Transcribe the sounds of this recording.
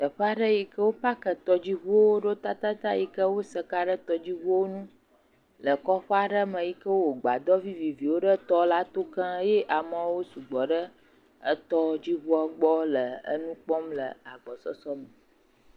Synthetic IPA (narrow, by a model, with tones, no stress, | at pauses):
t̪ə˨ɸə˦a˦ɖə˦ji˨kə˦wo˦ɸa˦kə˨t̪ɔ˦d͡ʑi˦βu˦wo˦ɖo˦t̪a˦t̪a˦t̪a˦ji˨kə˦wo˦sə˦˨ka˦ɖə˦t̪ɔ˦d͡ʑi˦βu˦wo˦nũ˦ | lə˨kɔ˦ɸə˦a˨ɖə˦mə̃˨ji˨kə˦wo˦o˨ɡ͡ba̰˨d̪ɔ˦vi˦vi˨vi˨wo˦ɖə˦t̪ɔ˦la˦t̪o˦kə̃˦je˦ʔa˨mə̃˨wo˦su˨ɡ͡bɔ˨ɖə˦ | ə˦t̪ɔ˦d͡ʑi˦βɔ˦a˦ɡ͡bɔ˦lə˨ə̰˦nũ˦k͡pɔ˦mlə˨a˨ɡ͡bɔ˨sɔ̰˦sɔ˦mə˨